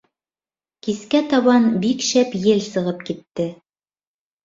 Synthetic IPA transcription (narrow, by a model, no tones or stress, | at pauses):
kiskæt̪ɑβɑnbikʃæpjɘlsɤ̆ʁɤp̚kit̪ːɘ